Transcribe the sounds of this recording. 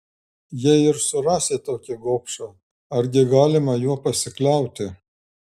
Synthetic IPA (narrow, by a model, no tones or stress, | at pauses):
jiɛɪɾsʊɾɑːsʲeːt̪oːkʲɪɡoːpʃɑ | ɐɾʲɡʲɪɡɑːlʲɪmɐjuɔpɐsʲɪklʲɛˑʊt̪ʲɪ